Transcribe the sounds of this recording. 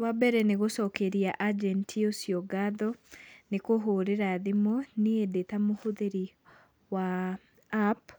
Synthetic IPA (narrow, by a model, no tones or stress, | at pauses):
wabɛɾɛneɣosɔkeɾiaʔad͡ʒɛntʰiosiɔɡaðɔnekoɦoɾeɾaðemɔneedetamohoðeɾi | waː | p